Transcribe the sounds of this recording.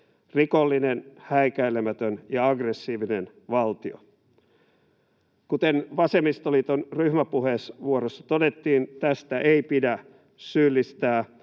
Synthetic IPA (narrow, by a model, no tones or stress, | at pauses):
rikolːinenhæikæilemæt̪ønjɑɑɡresːiːʋinen | ʋɑlt̪io̰ | kut̪enʋɑsemist̪oliːt̪onryhmæpuheːsʋuoɾosːɑ̥t̪odet̪ːiːnt̪æst̪æʔeipidæ | syːlːist̪æː